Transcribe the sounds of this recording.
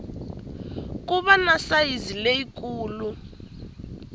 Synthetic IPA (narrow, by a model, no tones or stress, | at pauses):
k̬ʼuβanasaizileikʼuːlu